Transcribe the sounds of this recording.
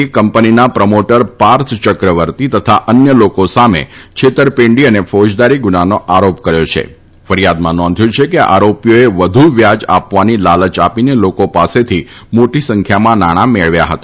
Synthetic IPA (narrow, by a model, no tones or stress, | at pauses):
ikəmpəninapɾəmoʈəɾpaɾt̪ʰt͡ʃəkɾəʋəɾt̪it̪ət̪ʰaʔənjəlokosamḛt͡ʃʰet̪əɾpẽɳɖiənefod͡ʒd̪aɾiɡunanoʔaɾopkəɾjot͡ʃʰḛ | fəɾijad̪mãnɔ̃nd̪ʱjũt͡ʃʰekeʔa̰ɾopijoeʋəd̪ʱuʋjad͡ʒa̰pʋanilalət͡ʃapinelokopaset̪ʰimoʈisəŋkʰjamãnaɽ̃ameɭʋja̰ɦət̪a